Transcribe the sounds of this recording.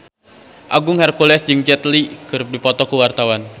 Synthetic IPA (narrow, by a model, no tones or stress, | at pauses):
ʔaɡʊŋhɛrkulɛsd͡ʒɨŋd͡ʒɛt̪likɨɾʊp̚dipɔt̪ɔkuwart̪awan